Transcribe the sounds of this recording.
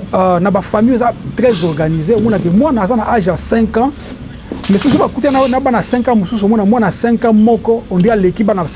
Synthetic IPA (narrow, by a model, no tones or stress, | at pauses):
nabafamiezatʁɛzɔʁɡanizeomɔnakemwanaazanaʔaʒasɛ̃ŋkã | mesus̬ubakut̬iananabanasɛ̃ŋkãmosusuomɔnamwanasɛ̃ŋkãmɔkɔondealekibana